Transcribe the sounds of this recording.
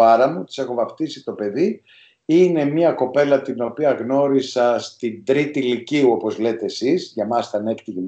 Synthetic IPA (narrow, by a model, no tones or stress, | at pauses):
ɐɾɐmut̪i̥se̞xo̞vɐft̪isit̪o̞pe̞ði | ine̞miɐko̞pe̞lɐt̪ino̞piɐɣno̞ɾisɐst̪ind̪ɾit̪iliciuo̞po̞zle̞t̪e̞ːsizʝɐmɐst̪ɐnekt̪iʝen